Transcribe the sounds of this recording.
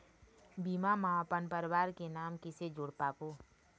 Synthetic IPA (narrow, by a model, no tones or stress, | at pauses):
biːmamãpənpəɾwaːɾkenaːmkɪsed͡ʒʊːɽpaːkoː